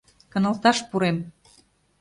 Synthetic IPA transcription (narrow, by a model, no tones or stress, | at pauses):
kə̆nə̆lt̪ɑʃpuɾem